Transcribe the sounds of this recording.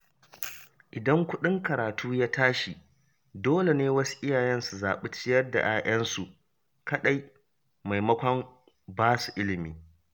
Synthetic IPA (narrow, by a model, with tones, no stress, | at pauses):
ʔɪ˨dɐ˦ŋkʷʊ˦ɗɪ˦ŋkɐ˨ɾaː˨tuː˦jaː˦taː˦ʃi˨ | doː˦le˨neː˦wɐ˦su̥˦ʔɪ˦jaː˨jɛ˦nsu˨zaː˨ɓɪ˦t͡ʃɪ˦jɐ˦rda̰˨ʔaː˦ʔɐ˦nsu˨ʔ | kɐ˦ɗa˦j | ma˨jmɐ˦kʷɔ˦m | baː˦su˨ʔɪ˦lɪ˨miː˨